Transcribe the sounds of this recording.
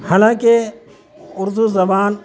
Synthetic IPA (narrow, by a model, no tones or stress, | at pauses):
haːlãːke | ʊɾzuzɐbaːn